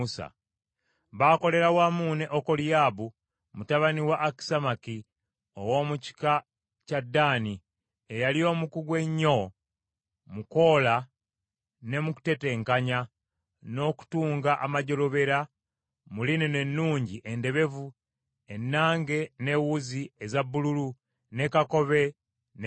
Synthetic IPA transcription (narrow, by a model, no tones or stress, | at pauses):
usa̰ | βaːko̞le̞ɾawamuːne̞ʔokolijaːβu | mutaβaniwaʔːki̥samaki | o̰wo̞ːmuci̥ka | cadːaːni | ejalio̞ːmukuɡwe̞ɲːo̞ | muko̞ːla | ne̞muku̥te̞te̞ːŋkaɲa | no̞ku̥tuːŋɡaʔamaɟo̞lo̞βe̞ɾa | muline̞ne̞nːuːɲɟiʔe̞nde̞βe̞vu | e̞nːaːŋɡe̞ne̞wuziezabːululu | ne̞kako̞βe̞ | n